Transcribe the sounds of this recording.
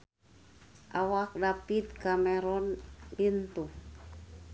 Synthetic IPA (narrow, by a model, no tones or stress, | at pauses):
ʔawak̚dapit̪̚kamɛɾɔnlint̪u